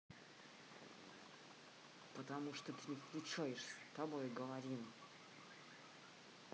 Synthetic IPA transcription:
pət̪ɐmuʂt̪ot̪ɨnʲɪfklʲʊt͡ʂajɪʂsʲt̪ɐbojɡəvɐɾʲim

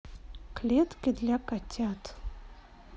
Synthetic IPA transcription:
kʰlʲetʼɡʲɪd̪lʲakʼatʰʲatʰʼ

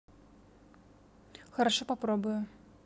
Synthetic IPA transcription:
xɐɾaʂɔpapɾɔbʊjʊ

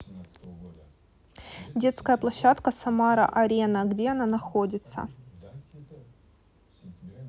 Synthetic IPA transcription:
dʲe̞t̪skəjəplˠɐɕːat̪kəsɐmaɾɐ̰ʔɐɾʲenəɡdʲeɐnanɐxo̞dʲɪt̪sə̰

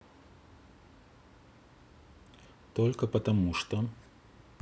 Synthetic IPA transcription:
t̪olʲkəpət̪ɐmuʂt̪o

